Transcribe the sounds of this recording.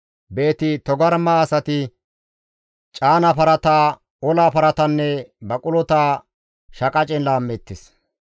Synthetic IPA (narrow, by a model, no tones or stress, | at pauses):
be̞ːt̪ɪt̪ɔɡɐɾmaːsɐt̪ɪ | t͡ʃʼaːnɐpɐɾɐt̪aː | ɔlaːpɐɾɐt̪ɐnːɛbɐkʼʊlɔt̪aː | ʃɐkʼɐt͡ʃʼɛnlaːmːɛt̪ːɪs